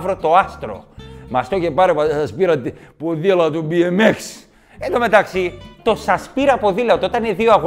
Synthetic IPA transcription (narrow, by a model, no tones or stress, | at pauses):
vɾot̪o̞ɐst̪ɾo̞̰mɐst̪ocepɐɾepɐsɐspiɾɐt̪poðilɐt̪ubiemeks | end̪ome̞t̪ɐksit̪o̞sɐspiɾɐpoðilɐt̪ot̪ɐneðioɐɣ